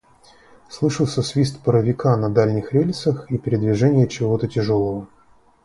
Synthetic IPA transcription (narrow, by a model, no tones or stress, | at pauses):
slˠɨʂəlˠsʲəsvʲist̪pəɾəvʲɪkanɐd̪alʲnʲɪxɾʲelʲsəxipʲɪɾʲɪd̪vʲɪʐɛnʲɪjət͡ɕɪvo̞t̪ətʲɪʐolˠəvə